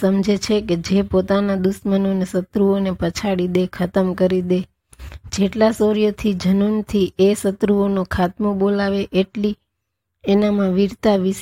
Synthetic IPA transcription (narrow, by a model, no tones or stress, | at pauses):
əmd͡ʒet͡ʃʰeked͡ʒepot̪anad̪uʃmənonesət̪ɾuonepət͡ʃʰaɽid̪ekʰət̪əmkəɾid̪e | d͡ʒeʈlasoɾijot̪ʰid͡ʒənunt̪ʰiʔesət̪ɾuonokʰat̪mobolaʋeʔeʈli | enamãʋiɾt̪aʋis